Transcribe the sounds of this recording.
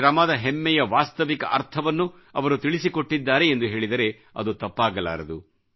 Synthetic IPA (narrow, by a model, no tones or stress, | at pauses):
ɾɐmaːd̪ɐɦɛmːɛjɐʋaːst̪ɐʋikɐʔɐ̰ɾt̪ʰɐʋɐnːu | ɐʋɐɾut̪iɭisiko̞ʈːid̪ːaːɾe̞ːnd̪uɦe̞ːɭid̪ɐɾe̞ | ɐ̰d̪ut̪ɐpːaːɡɐla̰ːɾɐd̪u